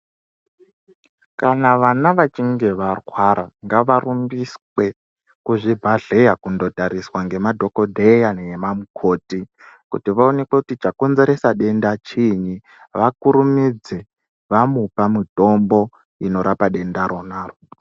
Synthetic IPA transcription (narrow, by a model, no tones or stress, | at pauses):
kanaʋanaʋat͡ʃiŋɡe̞ʋarwaɾaŋɡaʋarumbiswe̞ | kuʐibʱaɮe̞jakundo̞taɾiswaŋɡe̞madʱo̞kodʱejanjemamukʰo̞ːti | kṵtiʋaone̞kwekutit͡ʃako̞nze̞ɾesaɗe̞ndat͡ʃiɲi | ʋakuɾumid͡ze | ʋamupamito̞mbo̞ | ino̞ɾapaɗe̞ndaɾonaːro